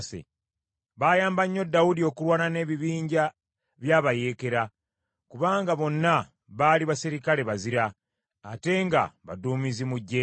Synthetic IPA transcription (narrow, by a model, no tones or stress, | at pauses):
sḛ | βaːjaːmbaɲːo̞dːawudio̞ːkulwaːnane̞ːβiβiːɲɟa | βjaːβaje̞ːke̞ɾa | kuβaːŋɡaβo̞nːa | βaːliβasiɾikale̞βaziɾaː | te̞ŋɡa̰βa̰duːmizimuɟːe